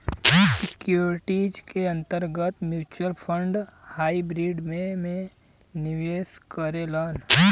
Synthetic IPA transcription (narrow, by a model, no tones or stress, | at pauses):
sɪkjoːɾɪʈid͡ʒkeɐ̃nt̪əɾɡət̪mjuːt͡ʃəɾpʰəɳɖhaːibɾiːɖmẽmẽ | nɪʋeːskəɾelaːn